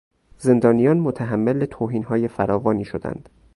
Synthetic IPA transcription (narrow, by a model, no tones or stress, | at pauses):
ze̞nd̪ɒːnijɒːnmot̪ʰæɦæmːelbet̪ʰoːɦiːnɦɒːje̞fæɾɒːvɒːniːʃod̪æ̰nd̪̥